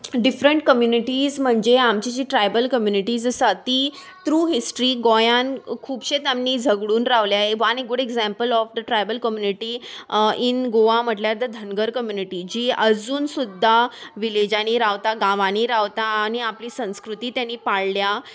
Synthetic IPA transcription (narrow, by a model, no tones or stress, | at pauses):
ɖifɾəɳʈ̚kəmjuniʈiːzm̤əɳd͡zeamt͡ɕid͡ʑiːʈɾajbəlkəmjuniʈiːd͡zəsat̪iː | t̪ɾuːɦisʈɾiːɡɔjankʰuːbɕet̪amniːd͡zʱəɡɽuːnɾaʋljaeʋaneɡuɽeɡzæ̃mpəlɔfd̪əʈɾajbəlkəmjuniʈiːinɡoʋam̤əʈljad̪əd̪ʱənɡəɾkəmjuniʈiːd͡ʑiːəd͡zuːnsud̪ʱːaʋiled͡ʑaɽ̃iːɾaʋt̪aɡaʋaɽ̃iːɾaʋt̪aːñiapliːsə̃w̃skɾut̪iːt̪janːiːpaɽlja